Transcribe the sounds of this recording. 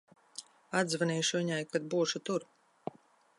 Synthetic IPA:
ad̪zvaniːʃuviɲajkad̪̚buːʃut̪uɾ

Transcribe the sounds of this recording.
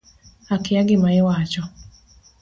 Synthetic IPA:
akɪaɡɪmaɪwat͡ʃɔ

